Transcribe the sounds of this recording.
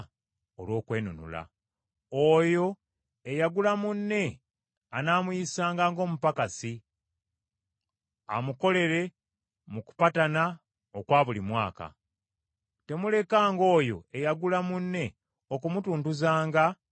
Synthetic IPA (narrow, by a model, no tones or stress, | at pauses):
olwo̞ːkwe̞ːnunṵla̰ | ojo̞ | ejaɡulamunːe̞ | anaːmujisaːŋɡaːŋɡo̞ːmupakasi | a̰muko̞le̞ɾe̞ | muku̥patana | okwaːβulimwaːka̰ | te̞mule̞kaːŋɡo̞ːjo̞̰e̞jaɡulamunːe̞ | o̞kumutuːntuzaːŋɡa